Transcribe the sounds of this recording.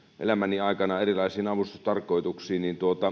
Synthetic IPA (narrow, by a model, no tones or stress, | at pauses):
ʔḛlæmæniɑˑikɑnɑerilɑisiːnɑʋust̪ust̪ɑrkˑoˑit̪uksiːnnint̪uot̪ɑ